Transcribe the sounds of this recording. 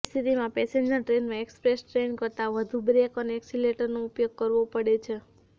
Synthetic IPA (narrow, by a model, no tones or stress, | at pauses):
st̪ʰit̪imãpɛseɲd͡ʒəɾʈɾenmãekspɾesʈɾenkəɾt̪aʋəd̪ʱubɾekəneːksileʈəɾnoupjoɡ̚kəɾʋopəɽet͡ʃʰe